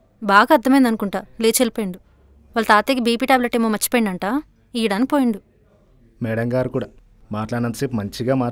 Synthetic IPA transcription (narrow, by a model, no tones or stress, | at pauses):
baːɡaːɾd̪ʱːɐmɐːnd̪ɐnukuɳʈaːleːt͡ʃelipeːɳɖu | ʋalːɐt̪aːt̪eːkibiːpiːʈaːbleʈːeːmoːmɐt͡ʃːi̥pojiɳɖɐɳʈaː | iːɽankpoːjiɳɖu | mɛːɽɐŋɡaːɾukuːɽaː | maːʈlaːɽɐnt̪ɐseːpmɐɲt͡ʃiɡaːmaː